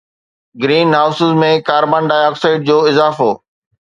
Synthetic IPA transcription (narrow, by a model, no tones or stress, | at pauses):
ɡɾiːnɦaːʊsɪzmẽkaːɾbãːnɖaːjɔːksaːɪʈ̚d͡ʑoːɪzaːfoː